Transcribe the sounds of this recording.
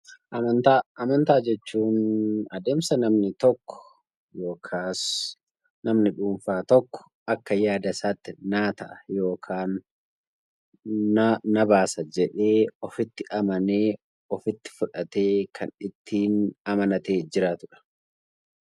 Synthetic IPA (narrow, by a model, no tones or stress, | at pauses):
ʔɐmɐnt̪aːɐmɐnt̪aːd͡ʒɛt͡ʃːuːnɐd̪e̞ːmsɐnɐmnɪt̪ɔkːɔ̥ | jo̞ːkʰaːs | nɐmnɪᶑuːɱfaːt̪ɔkːɔ̥ | ɐkːɐjaːd̪ɐsaːt̪ːɪnaːt̪ɐʔɐjo̞ːkʰaːn | nɐbaːsɐd͡ʒɛᶑe̞ːɔfɪt̪ːɪʔɐmɐneː | ɔfɪt̪ːɪ̥fʊᶑɐt̪e̞ːkʰɐnɪt̪ʰːiːnɐmɐnɐt̪e̞ːd͡ʒɪɾaːt̪ʊᶑɐ̥